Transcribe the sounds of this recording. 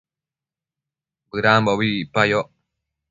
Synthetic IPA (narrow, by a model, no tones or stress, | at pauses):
bɯɾambɔbiipajɔʔ